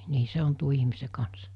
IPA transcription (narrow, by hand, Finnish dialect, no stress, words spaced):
niː se on tuo ihmise kɑns